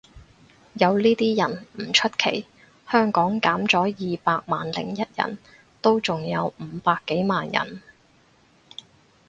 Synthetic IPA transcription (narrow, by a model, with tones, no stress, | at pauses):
jɐ˨˧wliː˥t̪iː˥jɐ˨˩nm̩˨˩t͡ʃʰɵ˥t̚kʰe˨˩j | hœː˥ŋkɔː˨˥ŋkaː˨˥mt͡sɔː˨˥jiː˨paː˧k̚maː˨nlɪ̰˨˩ŋjɐ˥t̚jɐ̰˨˩n | t̪o˥wt͡sʊ˨ŋjɐ˨˧wm̩ː˨˧paː˧kːe˨˥jmaː˨njɐ̰˨˩n